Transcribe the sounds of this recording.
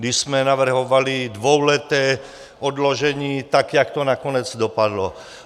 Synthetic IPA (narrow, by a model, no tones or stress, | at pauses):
d̪ismɛnaʋr̩ɦɔʋalid̪ʋɔwlɛt̪ɛː | ɔd̪lɔʒɛɲiːt̪akɛakt̪ɔnakɔɲɛd͡zd̪ɔpad̪lɔ